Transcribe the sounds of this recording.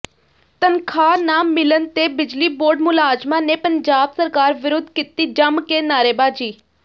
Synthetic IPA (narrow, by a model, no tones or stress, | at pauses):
t̪ənkʰaːnaːmːɪlənt̪ebɪd͡ʒliːboːɾɖmʊlaːd͡ʒmãnepəɲd͡ʒaːbsəɾkaːɾʋɪɾʊd̪ʱkit̪id͡ʒəmkenaːɾeːbaːd͡ʒiː